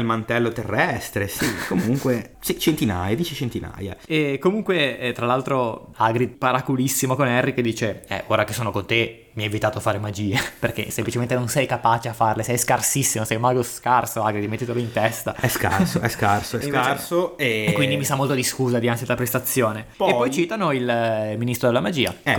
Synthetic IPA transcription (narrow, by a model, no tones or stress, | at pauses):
lmant̪ɛlːot̪erːɛst̪ɾesikomuŋkwesit͡ʃent̪ina̰jad̪iːt͡ʃet͡ʃent̪ina̰ːja̰ekomuŋkwet̪ɾalalt̪ɾoaɡɾid̪paɾakulisːimokonɛrːikd̪iːt͡ʃeɛ̰ʔoːɾakesːoːnokont̪e | miɛvit̪aːt̪ofaːɾemad͡ʒiːeperk̟ḛsemplit͡ʃement̪enonsɛjkapaːt͡ʃeafarlesɛjskarsisːimosɛjmaɡoskarsoaɡɾid̪met̪ːet̪eleint̪ɛst̪aɛska̰ɾsoɛskarsoɛasoekwind̪imisamːolt̪od̪iskuːzad̪iant̪sid̪lapɾest̪at̪sːjoːnepepɔjt͡ʃit̪anoilminist̪ɾod̪elːamad͡ʒiːa̰ɛ